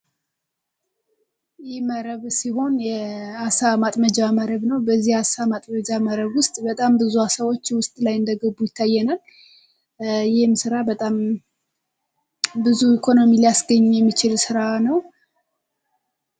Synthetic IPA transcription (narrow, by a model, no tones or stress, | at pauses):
jɪhməɾəβsiho̞njɛasamat̪ʼməd͡ʒaməɾəβnəwbəzːihasamat̪ʼməd͡ʒaməɾəβwʊst̪ʼbət̪ʼambɨzuasəwo̞t͡ʃːwʊst̪ʼlajɨnd̪əɡəbːujɪt̪ʰːajːɛnal | jɪhmsɨɾabət̪ʼam | bɨzuikʰo̞no̞milijasɡəɲːjɛmːit͡ʃɪlsɨɾanəw